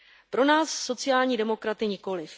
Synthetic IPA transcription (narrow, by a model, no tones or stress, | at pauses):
pɾo̞naːsːo̞t͡sɪjaːlɲiːdɛmo̞kɾat̪ɪɲɪko̞lɪf